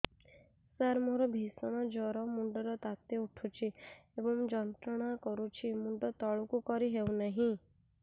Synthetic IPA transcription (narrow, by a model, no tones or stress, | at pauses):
saɾmoɾɔbʱisɔɽ̃ɔd͡ʒɔɾɔmuɳɖɔɾɔt̪at̪euʈʰut͡ʃʰiebɔmd͡ʒɔnt̪ɾɔɽ̃akɔɾut͡ʃʰimuɳɖɔt̪ɔɭukukɔɾiɦewnaɦĩ